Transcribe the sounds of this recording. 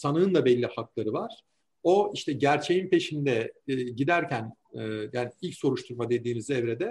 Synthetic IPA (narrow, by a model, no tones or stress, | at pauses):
sanɯɯnd̪abɛlʲːihak̚lˠaɾɯvaɾ̥ | o̞iʃt̪ʰɛɟæɾt͡ʃʰe̞jinpʰe̞ʃind̪ɛɟid̪æɾcʰænː | jaːniilʲcso̞ɾuʃt̪ʰuɾmad̪e̞d̪iːnizɛvɾed̪ɛ